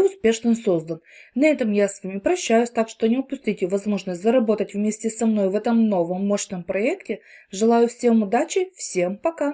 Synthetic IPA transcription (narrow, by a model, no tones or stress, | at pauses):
ʊspʲe̞ʂnɨso̞zd̪ənnɐɛt̪əmjasvamʲipɾɐɕːæjʊsʲt̪akʂt̪onʲɪʊpʊsʲtʲitʲɪvɐzmo̞ʐnəsʲtʲzəɾɐbo̞t̪ətʲvmʲesʲtʲɪsɐmno̞jvɛt̪əmno̞vəmːoɕnəmpɾɐɛktʲɪʐɨlˠajʊfsʲe̞mʊd̪at͡ɕɪfsʲe̞mpɐka